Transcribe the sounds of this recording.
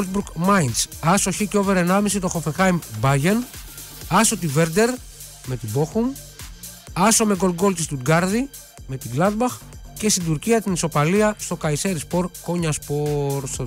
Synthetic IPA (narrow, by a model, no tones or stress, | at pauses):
lt̪bukmɐjnsɐso̞çico̞veɾenɐmisit̪o̞xo̞fexɐimbɐʝen | ɐsot̪ive̞ɾd̪e̞ɾ | me̞t̪ibo̞xum | ɐsome̞ɡo̞lɡo̞lt̪ist̪ud̪ɡɐɾði | me̞t̪iɡlɐd̪bɐxce̞st̪ind̪uɾciɐt̪iniso̞pɐliɐst̪o̞kɐise̞ɾispo̞ɾko̞ɲɐspoɾs